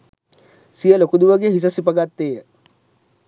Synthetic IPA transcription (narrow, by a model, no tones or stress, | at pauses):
sijəlokud̪uʋəɡeɦis̬ɐsipɐɡat̪ːeːjə